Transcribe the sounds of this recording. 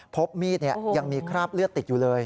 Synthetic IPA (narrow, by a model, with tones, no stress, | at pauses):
pʰo˦˥p̚miː˧nɛ̆˨˩əja˧˩ŋmi˧əkʰɾaː˥p̚lɨ˥ət̪ːi˨˩juː˧˩ləː˧j